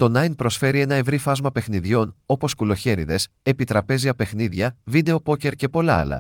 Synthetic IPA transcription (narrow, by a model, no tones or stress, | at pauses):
t̪o̞nɐjnpɾo̞sfe̞ɾie̞nɐevɾifɐzmɐpe̞xniðʝo̞no̞po̞skulo̞çe̞ɾiðe̞s | e̞pit̪ɾɐpe̞ziɐpe̞xniðʝɐvid̪e̞o̞po̞ce̞ɾce̞po̞lɐ̰ɐ̰lɐ̰